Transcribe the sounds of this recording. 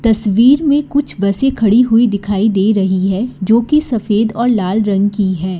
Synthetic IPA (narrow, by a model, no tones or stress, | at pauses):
t̪ɐsʋiːɾmẽkʊt͡ʃʰbɐsẽkʰɐɽiɦʊid̪ɪkʰaːid̪eːɾɐɦiɦɛd͡ʒoːkisɐfeːd̪ɔːɾlaːlɾɐ̃ŋɡkiɦɛː